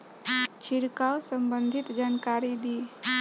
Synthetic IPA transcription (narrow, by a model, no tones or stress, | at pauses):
t͡ʃʰiɾkawsəmbənd̪ʱit̪d͡ʒankaɾid̪iː